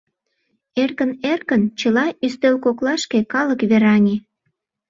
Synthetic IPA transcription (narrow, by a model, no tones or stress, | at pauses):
erkənerkənt͡ɕəlɑʔyst̪ølkoklɑʃkekɑləkβeɾɑnʲe